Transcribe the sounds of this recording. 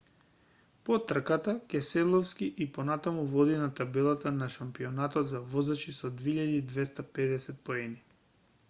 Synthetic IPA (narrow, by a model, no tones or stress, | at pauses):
pɔt̪r̩kat̪akʲɛsɛd̪lˠɔfskiʔipɔnat̪amuvɔd̪inat̪abɛlˠat̪anaʃampiɔnat̪ɔt̪zavɔzat͡ʃisɔd̪veiʎad̪iːd̪vɛst̪apɛd̪ɛsɛt̪̚poɛni